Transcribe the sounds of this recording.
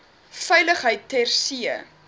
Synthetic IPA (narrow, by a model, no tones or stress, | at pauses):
fɐjləχɦəjtːærsiə